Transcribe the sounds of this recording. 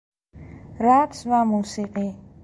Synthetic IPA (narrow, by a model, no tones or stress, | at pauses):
ɾat̪swamusiqi